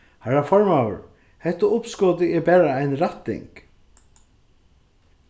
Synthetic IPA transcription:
haɾafɔɹmawə̰ɾ | hɛht̪ːʊʊpskɔːt̪ɪɛbɛːɾaajnɾat̪ːɪ̰ŋk

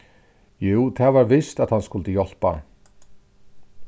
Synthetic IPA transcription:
juːwt̪ʰaːvaɾvɪst̪aðhanskʊlt̪əjɔl̥pa̰

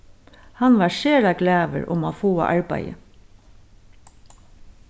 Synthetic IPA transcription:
hanʋaɹʃeːɾaɡlæːʋə̰ɹʊ̰maːfoːa̰ʔaɹpæ̰jə̰

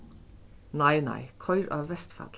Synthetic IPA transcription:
næɪnæ̰ɪkʰɔʏɾʔɑːʋʋɛst̪fɑ̰t̪

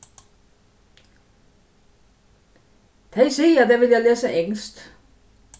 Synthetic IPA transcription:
t̪ʰɛsḛːjæd̥̪æʋe̝ljɑɪlɛːsəeŋsd̪̥

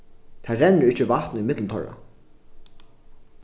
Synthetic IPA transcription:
t̪ʰaːɾɛnːəɹɪht͡ʃəvaht̪nimɪt̪lnt̪ʰɔ̰ɹa̰

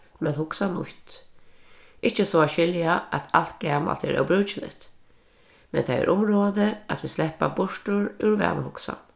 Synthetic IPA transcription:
mɛnhʊksanʊ̰t̪ | ʔɪt͡ʃəsoaʃɪljaʔæt̪ʰalt̪ɡ̥æma̰lt̪ʰɛ̰ːɾʔa̰wbɾʉːt͡ʃɪlɪ̰t̪ | mɛ̰nt̪ʰaɛ̰ɾʔʊmɾoːd̪əat̪ʋislɛpabʊʂʈʊɹʉɾʋɛ̰ːnəhʊksa̰n

